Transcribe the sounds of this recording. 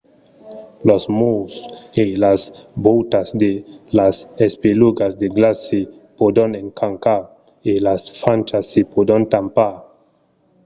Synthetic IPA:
losmuselasbuwtasd̪elasespiluɡasd̪eɡlasi | pod̪oneŋkʰaŋka | elasfant͡ʃasːipud̪ont̪ampa

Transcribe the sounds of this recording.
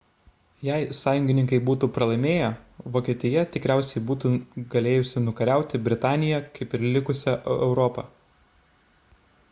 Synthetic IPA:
jɛɪsɑːjʊŋʲɡʲɪnʲɪŋkɐɪbuːt̪uːpɾɐlˠɐɪmʲeːjɛʋoːkʲeːt̪ʲɪjɛt̪ʲɪkɾʲæˑʊsʲɛɪbuːt̪uːɡɐlʲeːjʊsʲɪnʊkɐɾʲæˑʊt̪ʲɪbʲɾʲɪt̪ɑːnʲɪjɛkɐɪpɪɾlʲɪkʊsʲɛʔɛʔɛʊɾɔpɑ

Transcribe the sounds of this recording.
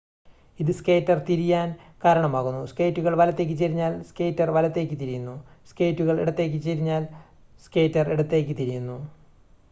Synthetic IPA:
iðɨske̞jtːɐrt̪iɾijaːn | kaːɾɐɳɐmaːɣunːuske̞jtːuɣɐɭʋɐlɐt̪ːe̞ːk̬ʲːɨt͡ɕːeɾiɲːaːlskejtːɐrʋɐlɐt̪ːe̞ːk̬ʲːɨt̪iɾijunːuske̞ːjtːuɣɐɭeɽɐt̪ːe̞ːk̬ːɨt͡ɕːeɾiɲːaːl | ske̞ːjtːɐreɽɐt̪ːe̞ːk̬ʲːɨt̪iɾijunːu

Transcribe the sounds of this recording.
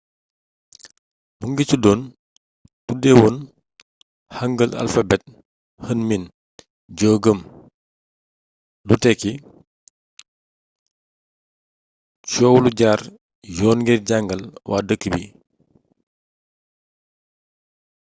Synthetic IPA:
buŋɡit͡ʃudɔːn | tudɛwɔn | hɐŋɡəla̰lfɐbɛt̚ | hənmin | ɟoːɡəm | lutɛkːi | t͡ʃɔːwuluɟaːr | jɔːnŋɡirɟaŋɡɐlwʔa̰ːdəkːəbi

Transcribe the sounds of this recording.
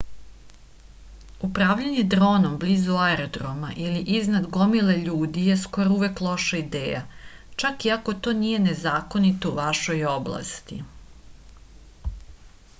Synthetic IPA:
upɾaːʋʎaɲe̞d̪ɾo̞ːnomblizuaeɾod̪ɾoma̰ʔiliʔiznad̪ɡo̞mile̞ʎuːd̪ieskojouʋeklˠo̞ʃaid̪ḛːja̰t͡ʃakiako̞t̪o̞ːnije̞ne̞zaːko̞nit̪ouʋaʃo̞jo̞blˠa̰st̪i

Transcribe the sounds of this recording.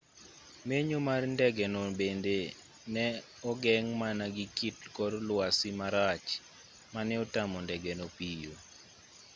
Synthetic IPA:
meɲomarndɛɡɛnobende | nɛ | ɔɡɛŋmanaɡikitkɔrlwasimaɾat͡ʃ | manɛɔtamɔndɛɡɛnopijo

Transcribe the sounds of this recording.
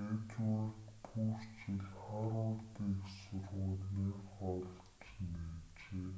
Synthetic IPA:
et͡sʊrt̪pʰurt͡ɕiɮχaɾʊːt̪iːksʊrʁʊːɮniːχɔɮ | t͡ɕneːt͡ɕeː

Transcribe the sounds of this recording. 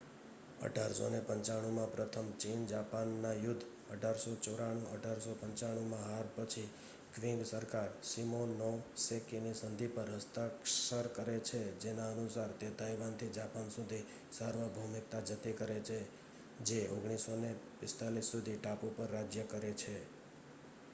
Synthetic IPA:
ə̰ɖʱaɾso̰nepəɲt͡ʃaɽ̃ũmãpɾət̪ʰəmt͡ʃind͡ʒapanːajʊd̪ʱː | əɖʱaɾsot͡ʃoɾaɽ̃ũə̰ɖʱaɾsopəɲt͡ʃaɽ̃ũmãɦaɾpət͡ʃʰi | ɡɾĩŋɡsəɾkaɾsimonɔsekinisənd̪ʱipəɾɦəst̪akʃəɾkəɾet͡ʃʰed͡ʒenaənusaɾt̪ed̪ajʋant̪ʰid͡ʒapansud̪ʱi | səɾʋəbʱumik̚t̪ad͡ʒət̪ikəɾet͡ʃʰe | d͡ʒeʔoɡɽ̃isonepɪst̪alisːud̪ʱiʈapupəɾːad͡ʒjəkəɾet͡ʃʰe

